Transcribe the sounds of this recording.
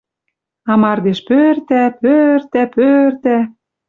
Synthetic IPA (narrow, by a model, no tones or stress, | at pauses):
ɑmɑrd̪eʃpørt̪æpørt̪æpørt̪æ